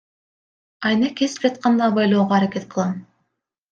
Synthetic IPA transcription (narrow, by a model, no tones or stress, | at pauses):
ɑjnekʲesp̚d͡ʒɑt̪̚qɑnd̪ɑbɑjlˠoːʁɑaɾakʲet̪̚qɯlˠɑn